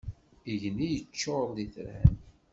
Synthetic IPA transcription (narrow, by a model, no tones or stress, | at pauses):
iʝnijət͡ʃːoɾˤðiθɾæ̰n